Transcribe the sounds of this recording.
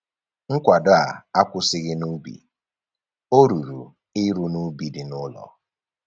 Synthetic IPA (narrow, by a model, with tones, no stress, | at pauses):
ŋ̩˦kʷa˨dʊ˦a˨a˦kʷʊ˦sɪ˦ɣɪ˦nu˦bḭ˨ | o˦ɾu˨ɾu˨ | ɪ˦ɾu˦nu˦bi˨dɪ˨nʊ˦lɔ̰˨